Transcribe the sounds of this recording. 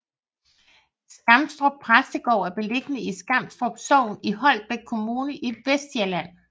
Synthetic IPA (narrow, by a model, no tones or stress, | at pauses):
sɡ̥ɑ̈m̰̥sd̥ʁɔb̥̚pʰʁasd̥eɡ̥ɒ̰ʊ̰ːæɐb̥e̝le̝ɡ̥ənəisɡ̥ɑ̈m̰d̥sd̥ʁɔb̥sɒʊ̰niɦɒ̽l̰b̥e̥kʰo̝muːnəʔiʋesd̥eɐlæn̰